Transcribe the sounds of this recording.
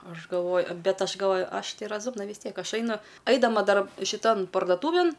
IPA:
ˈɐʃ ɡɐlˠˈʋoːj ˈbʲɛt ˈɐʃ ɡɐlˠˈʋoːj ˈɐʃ ˈtɐɪ rɐˈzʊmnɐ ʋʲɪs ˈtʲiɛk ˈɐʃ ˈɐɪnʊ ˈɐɪdɐmɐ ˈdɐr ʃʲɪˈtɐn pɐrdoːˈtuːʋʲeːn

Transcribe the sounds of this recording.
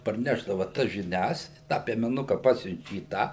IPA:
pɐrʲˈnʲæːʒdɐʋɐ tɐs ʒʲɪˈnʲɛs tɑː pʲiɛmʲɛˈnʊkɐ ˈpɑːsʲʊnʲt͡ʃʲɛ iː ˈtɑː

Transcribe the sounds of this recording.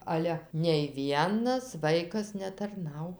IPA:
ˈɑːlʲɛ nʲɛɪ ˈʋʲiɛnɐs ˈʋɐɪkɐs nʲɛtɐrˈnɐʊ

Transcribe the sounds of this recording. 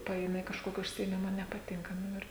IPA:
ˈpɐeːmʲɛ ɪ kɐʃˈkoːkʲɪ ʊʃʲsʲɪeːˈmʲɪmɐ nʲɛpɐˈtʲɪŋkɐ ˈnʊ ɪr

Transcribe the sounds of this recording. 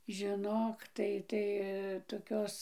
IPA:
ʒʲɪˈnoːk ˈtɐɪ tɐɪ toːˈkʲoːs

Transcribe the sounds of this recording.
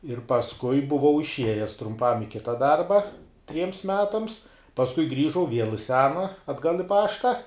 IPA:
ɪr pɐsˈkʊɪ bʊˈʋɐʊ ɪʃʲˈiɛjɛs trʊmˈpɐm ɪ ˈkʲɪtɐ ˈdɐrbɐ tʲrʲiɛms ˈmʲæːtɐms pɐsˈkʊɪ ˈɡrʲiːʒɐʊ ʋʲiɛlˠ ɪ ˈsʲæːnɐ ɐdˈɡɐlˠ ɪ ˈpɑːʃtɐ

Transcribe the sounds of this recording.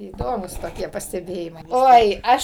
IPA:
iːˈdoːmuːs toːˈkʲiɛ pɐsʲtʲɛˈbʲeːjɪmɐɪ ˈoːɪ ˈɐʃ

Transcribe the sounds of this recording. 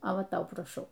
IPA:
oː ˈʋɐ ˈtɐʊ prɐˈʃɐʊ

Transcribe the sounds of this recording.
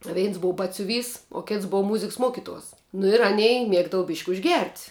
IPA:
ˈʋʲɛɪns ˈboːʊ ˈbɑːtʲsʲʊˌʋʲiːs oː ˈkʲeːts ˈboːʊ ˈmʊzʲɪks ˈmuɔkʲɪˌtuɔs nʊ ɪr ɐˈnʲɛɪ ˈmʲiɛɡdɐʋɐ bʲiːʃʲkʲ ʊʒʲˈɡʲɛrʲtʲ

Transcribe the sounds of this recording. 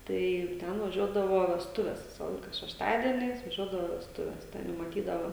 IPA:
tɐɪ ˈtʲɛn ʋɐˈʒʲuɔdɐʋoː ʋʲɛsˈtʊʋʲɛs ˈʋʲɪsɐ ˈlˠɐɪkɐ ʃʲɛʃˈtɑːdʲiɛnʲɛɪs ʋɐˈʒʲuɔdɐʋoː ʋʲɛsˈtʊʋʲɛs ˈtʲɛn jɛʊ mɐˈtʲiːdɐʋoː

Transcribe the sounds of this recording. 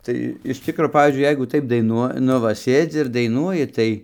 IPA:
ˈtɐɪ ɪʃ ˈtʲɪkroː ˈpɑːʋʲiːzʲd͡ʒʲʊɪ ˈjɛɪɡʊ ˈtɐɪp dɐɪˈnuɔ ˈnʊ ʋɐ ˈsʲeːd͡zʲɪ ɪr dɐɪˈnuɔjɪ ˈtɐɪ

